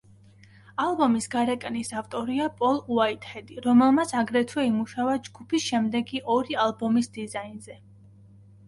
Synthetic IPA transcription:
alˠbɔmisɡaɾɛkʼnisaft̪ʼɔɾiapʼɔlˠuait̪ʼhɛd̪iɾɔmɛlˠmat̪sʰaɡɾɛt̪ʰwɛimuʃavad͡ʒɡupʰisʃɛmd̪ɛɡiʔɔɾialˠbɔmisd̪izainzɛ

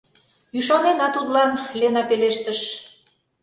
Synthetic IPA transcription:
yʃ̬ɑnenɑt̪ud̪lɑnlenɑpeleʃt̪əʃ

